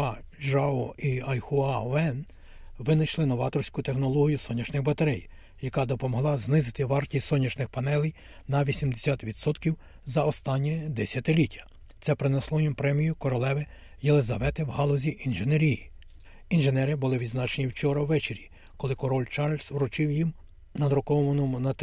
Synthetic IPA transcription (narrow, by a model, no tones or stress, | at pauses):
ɑʒɑɔiɐjxʊɑɛn | ʋɪnɐjʃlˠɪnɔʋɑt̪ɔrsʲkʊt̪exnɔlˠɔɦʲijʊsɔnʲːɐʃnɪxbɐt̪ɐɾɛj | jɐkɑd̪ɔpɔmɔɦlˠɑznɪzɪt̪ɪʋɑrtʲisɔnʲːɐʃnɪxpɐnɛlʲˠij | nɐʋʲisʲimd̪esʲat̪ʋʲid̪sɔt̪kʲiw | zɐɔst̪ɑnʲːid̪ɛsʲjɐt̪ɪlʲitʲːɐ̥ | t̪sɛpɾenɛslˠɔjimpɾɛmʲijʊkɔɾɔlˠɛʋɪ | jelˠezɐʋɛt̪ɪwɦɑlˠɔzʲiʔinʒeneɾʲiji | inʒenɛɾɪbʊlˠɪʋʲid̪znɑt͡ʃenʲiwt͡ʃɔɾɐwːɛt͡ʃeɾʲi | kɔlˠɪkɔɾɔlʲt͡ʃɑɾlʲswɾʊt͡ʃɪwjim | nɐd̪ɾɔkɔʋɔmɐnɔmʊnɐt̪